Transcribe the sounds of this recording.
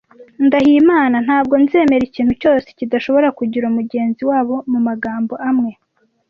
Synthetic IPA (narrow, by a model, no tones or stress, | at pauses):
ndahimaːnan̥haːb̚ɡo̞nze̞ːme̞ɾiciːn̥huco̞ːse̥cidaʃo̞βo̞ɾakuɟiɾuumuɟe̞ːnziwaːβo̞mumaɡaːmbo̞ʔamŋe̞